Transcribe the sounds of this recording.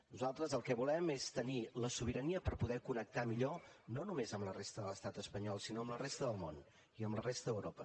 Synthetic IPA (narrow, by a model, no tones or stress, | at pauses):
nuzalˠt̪ɾəzəlˠkɛβulɛmest̪əniləsuβ̞iɾəniəpəɾpuðɛkunək̚t̪amiʎononumezəmlərest̪əðələst̪at̪əspəɲɔlˠsinoəmlərest̪əðəlˠmon | iəmlərest̪əðəwɾopə